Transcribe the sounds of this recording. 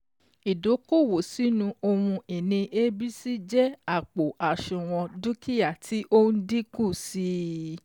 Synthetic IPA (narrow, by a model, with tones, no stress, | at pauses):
i˨do˨˦ko˦˨wo˨si˨˦nũ˧o˧wũ˧e˨nĩ˧ʔe˦bi˦si˦d͡ʒɛ˦a˦˨k͡po˨ʔa˨ʃũ˨w̃ɔ̃˧du˦kʰi˦ja˦˨tʰi˨˦ʔo˦n̩˦di˦kũ˦˨si˦